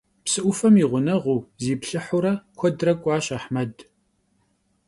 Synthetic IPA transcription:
psɨʔʷʊfɐmiːʁʷʊnɐʁʷuːziːpɬɨħʊɾɐkʷʰɔdrɐkʷʼɑːɕaħmɐd

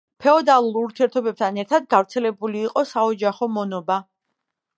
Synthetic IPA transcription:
pʰɛɔd̪alˠuɾuɾt̪ʰiɛɾt̪ʰɔbɛp̚t̪ʰanɛɾt̪ʰad̪̚ɡavɾt̪sʰɛlɛbuliːqʼɔsaɔd͡ʒaχɔmɔnɔba

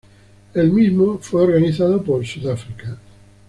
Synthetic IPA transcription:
elmizmofweoɾɣaniθaðopolsuðafɾika

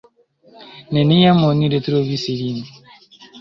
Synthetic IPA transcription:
nenijamoniɾetuɾoβisiɾin

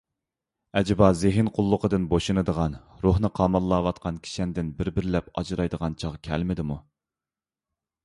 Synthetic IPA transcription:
ɛd͡ʒɛbɑzɪɦɪnqʰʊlˠːʊqəd̪ɨnboʃunɨd̪əʁɑn | ɾohnɨqʰɑmɑlˠːɑːwɑt̪̚qʰɑnkʲʰi̥ʃɛnd̪ɪnbɪɾbɪɾɪlɛpɑ̰d͡ʒɾɑjd̪əʁɑnt͡ʃʰɑʁkʲʰɛ̰lmɪd̪ɪmu

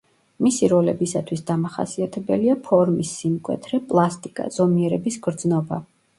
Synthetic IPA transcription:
misiɾɔlɛbisat̪ʰwisd̪amaχa̰siat̪ʰɛbɛliapʰɔɾmisːimkʼwɛ̰t̪ʰɾɛpʼlˠast̪ʼikʼa̰z̥ɔmiɛɾɛbisɡɾd̪znɔba

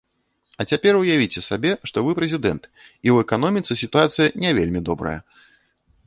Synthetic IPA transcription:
ɐt͡sʲapʲɛrwjavʲit͡sʲɛsabʲɛʂt̪ɔvɨpɾɛzʲid̪ɛnt̪ | iwɛkan̪ɔmʲit̪sɨsʲit̪uat̪sɨjɐnʲɛvʲelʲmʲid̪ɔbɾɐ̰jɐ̰

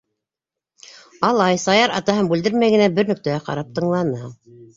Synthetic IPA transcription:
ɑlˠɑjsɑjɑɾɑt̪ɑɦɤmbʉld̪ɘɾmæjɡɘ̆næbɘɾnɵ̆k̚t̪ææqɑ̰ɾɑp̚t̪ɤ̆ɴlˠɑnɤ

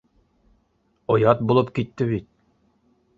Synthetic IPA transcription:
ŏjɑt̪̚bulˠɤpkit̪ːɘβit̪̚

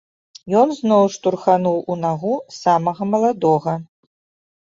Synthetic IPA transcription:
jɔnznɔwʂt̪urxanuwunaɣusamɐɣɐmɐlˠad̪ɔɣɐ

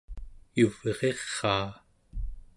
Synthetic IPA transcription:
juv̥eʁe̞χɑː

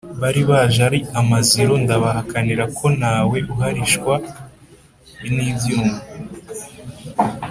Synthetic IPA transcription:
βaɾiβaʒaɾiamaziɾo̞ndaβahakaniɾakʰo̞naːwe̞ʔuɦaɾiʃkwa | iniːbjuːmu

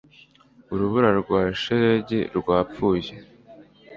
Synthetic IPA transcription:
uɾuβuɾaɾɡwaːʃeɾeɟeɾɡwaːp͡fuːje

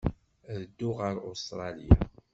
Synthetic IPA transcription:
ðəd̪ːʊʁəɾust̪ɾˤɑlija̰

